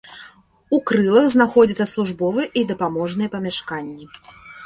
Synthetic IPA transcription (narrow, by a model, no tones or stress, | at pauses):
ukɾɨlˠɐxznaxɔd͡zʲit̪sːɐslˠuʐbɔvɨɛʔid̪ɐpamɔʐnɨjɛpɐmʲaʂkanʲːi